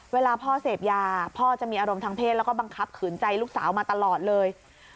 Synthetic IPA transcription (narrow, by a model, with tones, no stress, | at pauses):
weː˧laː˧pʰɔː˥˩seː˨˩p̚jaː˧pʰɔː˥˩t͡ɕa˨˩ʔmiː˧ʔaː˧ɾo˧mt̪ʰaː˧ŋpʰeː˥˩t̪̚lːɛ˦˥wkɔː˥˩ba˧ŋkʰa˦˥p̚kʰɯː˩˦nt͡ɕa˧jluː˥˩k̚sa̰ː˩˦wmaː˧t̪a˧lɔː˨˩t̪̚lɤː˧j